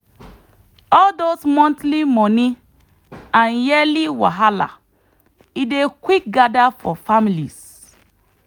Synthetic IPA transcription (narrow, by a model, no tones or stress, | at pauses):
ɔldosmɔ̃ntlimɔni | ãnjɛliwa̰ɦala̰ | idekwik̚ɡadafɔfamilḭs